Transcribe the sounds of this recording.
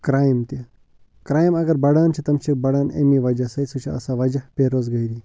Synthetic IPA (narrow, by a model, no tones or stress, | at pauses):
kɾaːjmt̪i | kɾaːjimɐɡɐɾbɐɽaːnt͡ʃʰit̪ɐmt͡ʃʰik̚bɐɽaːnḛmiːʋɐd͡ʒɐsɐisut͡ʃʰiɐ̰sãːʋɐd͡ʒɐhpeːɾoːzɡɐiɾiː